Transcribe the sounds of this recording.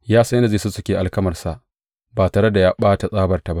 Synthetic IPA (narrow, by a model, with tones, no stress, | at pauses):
jaː˦snda˨zeː˦˨su˦sʊ˦kʲeː˨ʔa˨lkɐ˦mɐ˨rsa˨ʔ | baː˨taː˨ɽe˦da˨jaː˦ɓaː˦ta˨sʼaː˦bɐ˨rta˨ba˦ʔ